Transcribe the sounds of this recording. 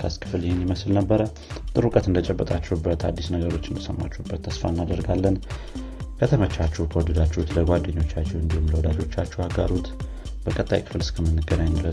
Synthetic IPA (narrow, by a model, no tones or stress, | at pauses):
kʰəskʰɨ̥fljɪhenjɪməsɨlnəbːəɾə | t̪ʼɨɾukʼət̪ɨnd̪ət͡ʃʼɛbːət̪ʼat͡ʃːɛubət̪ʰa̰d̪ːisnəɡəɾo̞t͡ʃːɪnd̪əsəmːa̰t͡ʃːubːət̪ʰːəsfa̰ɨnːad̪əɾɡalːən | kʰət̪ʰəmət͡ʃːat͡ʃːɛwkʰəwɔd̪əd̪at͡ʃːɛut̪ləɡʷad̪ːeɲːo̞t͡ʃːat͡ʃːɛwɨnd̪ihumləwɔd̪ad͡ʒo̞t͡ʃːat͡ʃːɛwaɡaɾut̪ | bəkʼət̪ʼːa̰jkʰɨ̥fɨlɨskʰəmɨnːɨɡənaɲlə